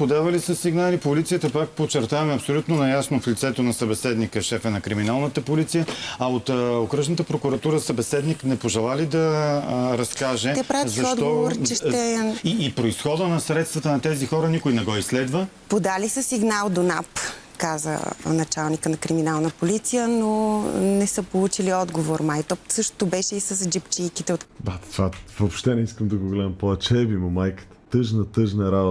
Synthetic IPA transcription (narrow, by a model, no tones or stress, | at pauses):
pod̪avɐlisəsiɡnalipolit̪sijət̪əpak̚pot͡ʃɛɾt̪avɐmɛɐpsolʲut̪nonɐjasnoflit̪sɛt̪onɐsɐbɛsɛd̪nikəʃɛfɛnɐkɾiminalˠnət̪əpolit̪sijəɐot̪okɾəʒnət̪əpɾokuɾɐt̪uɾəsəbɛsɛd̪niknɛpoʒɛlˠalid̪ɐɾɐskkaʒɛt̪ɛpɾavzɐʃɔd̪ɡɔovoɾt͡ʃɛʃt̪ɛiːpɾoisxɔd̪ənɐsɾɛt̪st̪vɐt̪ənɐt̪ɛzixɔɾənikojnɛɡɔislɛd̪vəpod̪alisəsiɡnalˠd̪onap | kazə̰nɐt͡ʃalˠnikənɐkɾiminalˠnəpolit̪sijənonɛsəpolˠut͡ʃiliɔd̪ɡovoɾmajt̪ɔpsɤʃt̪o̥t̪obɛʃɛisəsd͡ʒipt͡ʃijkit̪ɛot̪d̪at̪vavopʃt̪ɛnɛiskəmd̪ɐɡoɡlɛd̪əmpɔvɛt͡ʃɛbimomajkə̥t̪ə̥t̪ɤʒnət̪ɤʒnɐɾabo